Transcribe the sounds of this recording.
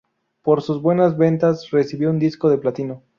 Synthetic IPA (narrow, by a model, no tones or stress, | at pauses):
po̞ɾsuzβwe̞nazβe̞nt̪asre̞siβjound̪isko̞ðe̞plat̪ino̞